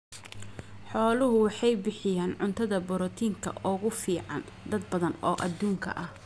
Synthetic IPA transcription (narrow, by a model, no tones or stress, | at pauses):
ħɔːlʊɦʊwɑħɑjbɪħɪjaːnʕʊnt̪ʰɐðɐbɔɾɔt̪ʰiːŋkʰɐ̰ʔɔːɣʊfiːʕɑ̰n | d̪ɐd̪̚bɐðɐnɔːʔɐd̪uːŋkʰɐ̰ʔɐh